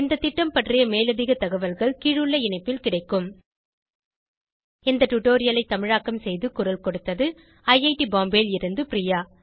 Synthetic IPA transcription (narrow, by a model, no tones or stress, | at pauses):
ɪnd̪ɐt̪ːɪʈːɐmpɐʈrɪjɐmeːlɐðɪɣɐt̪ːɐɣɐʋɐlɣɐɭkiːɻɯɭːɐɪɳɐɪpːɪlkɪɽɐɪkːɯm | ɪnd̪ɐʈʊʈoːɾɪjɐlɐɪt̪ːɐmɪɻaːkːɐmsɛjðɯkʊɾɐlkɔɽɯt̪ːɐðɯ | ɐjɐɪʈibaːmbeːlɪɾɯnd̪ɯpɾijaː